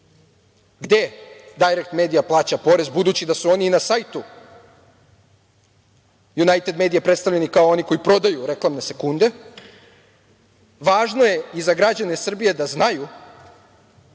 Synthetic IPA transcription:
ɡd̪e̞d̪ajɾek̚t̪me̞ːd̪ijaplˠaːt͡ɕapo̞ɾe̞zbud̪uːt͡ɕid̪asuo̞niːnasajt̪u | junajt̪e̞d̪me̞ːd̪ijapɾe̞t̪st̪aʋʎenikaoo̞niko̞ipɾo̞d̪ajuɾe̞klˠamne̞se̞kund̪e̞ | ʋaːʒno̞je̞izaɡɾad͡ʑane̞sr̩bije̞d̪aznaju

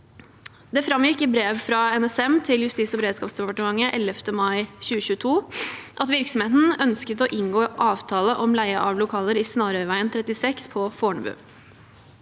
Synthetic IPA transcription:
d̪ɛfɾɑmjɪkːɪbɾeːʋfɾɑɛnɛsɛmt̪ʰɪljʉst̪iːsɔbəɾeːd̪skɑːpsd̪ɛpɑʈəmɑŋːəʔɛlːəft̪əmɑɪçʉːəɕʉːət̪ʰuːʔɑt̪ʋɪɾksɔm̩heːt̪n̩œnskət̪ɔʔɪŋɡoːʔɑːʋt̪ʰɑːləʔɔmlæɪəʔɑʋlʊkʰɑːləɾiːsnɑːɾœʋæɪənt̪ʰɾɛt̪ːɪsɛkspʰɔfoːɳbʉ̰ː

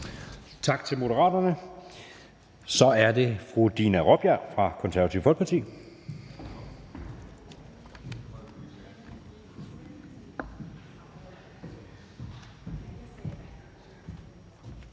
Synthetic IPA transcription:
t͡sʰɑ̈ɡ̥̚t͡sʰe̝lmo̝ɾəʁɑ̰̈ːdɐnə | sɒ̽æɐde̝fʁud̥inæʁob̥jæɐ̰fʁɑ̈kʰɔ̽nsæɐʋæt͡sʰḭʊ̰fɒ̽lɡ̥pʰɑt͡sʰḭː

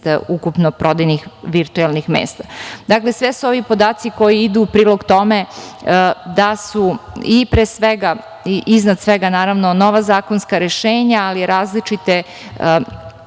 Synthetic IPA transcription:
t̪ukupnopɾod̪ajnixʋiɾt̪uelˠnixmḛːst̪ad̪aklesʋesuo̞ʋipo̞d̪aːt̪siko̞jiid̪uːpɾiːlˠo̞ɡt̪o̞me | d̪asuipɾeːsʋeɡa | iʔiznad̪sʋeɡanaːɾaʋnono̞ʋazaːkonskaɾeʃeːɲaaliɾaːzlit͡ʃit̪e

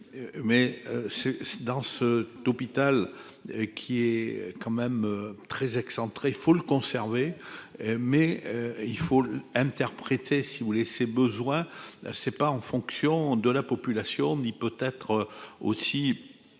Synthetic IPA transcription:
mɛøsɛd̪ɑ̃sət̪ɔpit̪al | kʲʰiɛkɑ̃mɛmøt̪χɛzɛksɑ̃t̪χeilfoləkɔ̃sɛʁve | mɛøilfoɛ̃t̪ɛʁpχet̪ʰesivulesebəzwɛ̃sɛpaɑ̃fɔ̃ksjɔ̃d̪əlapɔpylasjɔ̃nipøt̪ɛt̪χo̰si

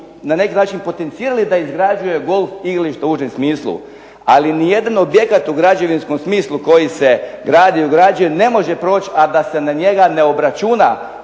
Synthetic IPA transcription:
nane̞kinaːt͡ʃinpo̞t̪e̞nt̪siːɾalid̪aizɡɾad͡ʒuje̞ɡo̞lˠfiɡɾaliʃt̪auʒemsmiːslˠṵ | alinije̞d̪ano̞bje̞kat̪uɡɾad͡ʒe̞ʋinsko̞msmiːslˠuko̞jise̞ɡɾaːd̪iuɡɾad͡ʒujene̞mo̞ʒe̞pɾo̞ːt͡ɕad̪ase̞naɲe̞ɡane̞o̞bɾat͡ʃuna

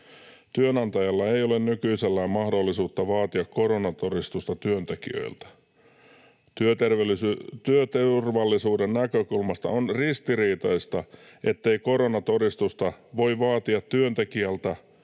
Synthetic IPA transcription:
t̪yønɑnt̪ɑjɑlːɑejolennykyiselːæːmmɑhdolːisuːt̪ːɑʋɑːt̪iɑkkoɾonɑt̪o̞ɾist̪ust̪ɑt̪yønt̪ekḭø̰ilt̪æ̥ | t̪yøt̪erʋlt̪yøt̪erʋɑlːisuːdennækøkulmɑst̪ɑ̰onrist̪iriːt̪ɑist̪ɑ | ʔe̞t̪ːe̞iko̞ɾonɑt̪o̞ɾist̪ust̪ɑʋo̞iʋɑːt̪iɑt̪tyønt̪ekiælt̪æ

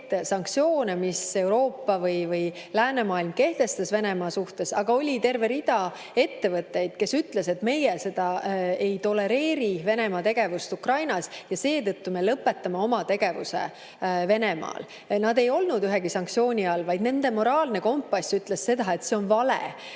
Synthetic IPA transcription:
sɑŋk̚t̪sio̞ːnemise̞uɾo̞ːpːɑvɤjvɤjlæːnemɑːilmke̞ht̪e̞st̪ɑsve̞ne̞mɑːsuht̪e̞sɑɡ̥ɑo̞lʲit̪e̞rve̞ɾid̪̥ɑ | e̞t̪ːe̞vɤt̪ːˑe̞jd̪̥̚ke̞syt̪le̞se̞t̪me̞jese̞d̪̥ɑe̞jt̪o̞le̞ɾe̞ːɾive̞ne̞mɑt̪e̞ɡ̥e̞vust̪ukrɑjnɑsjɑse̞ːt̪ɤt̪ːumelɤpːe̞t̪ːˑɑmɑo̞mɑt̪e̞ɡ̥e̞vusḛ | ve̞nemɑ̰ːl | nɑd̪e̞jo̞lnud̪yɦeɡisɑŋk̚t̪sio̞ːnʲiɑlvɑjd̪ne̞nd̪̥e̞mo̞ɾɑːlne̞ko̞mpːɑsʲyt̪ːˑlesːe̞d̪̥ɑe̞t̪seo̞nvɑlḛ

